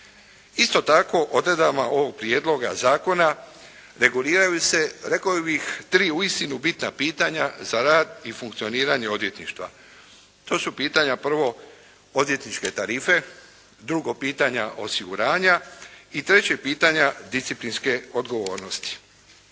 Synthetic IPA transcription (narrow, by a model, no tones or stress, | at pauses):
ist̪o̞t̪ako̞ʔo̞d̪ɾe̞d̪amaʔo̞ʋo̞ɡ̚pɾje̞d̪lˠo̞ɡa̰zaːko̞na | ɾe̞ɡuliːɾajuse̞ɾe̞kajubixt̪ɾiːuist̪inubit̪napiːt̪aɲazaɾaːd̪ifuŋkt̪sio̞niːɾaɲe̞o̞d̪je̞t̪nḭʃt̪ʋa̰ | t̪o̞ːsupiːt̪aɲapr̩ʋo̞ | od̪ʋjet̪nit͡ʃke̞t̪aɾiːfe̞ | d̪ɾuɡo̞piːt̪aɲaʔo̞siɡuɾaːɲait̪ɾe̞t͡ɕe̞ɡ̚piːt̪aɲad̪ist̪iplinske̞o̞d̪ɡo̞ʋo̞ːɾno̞st̪i̥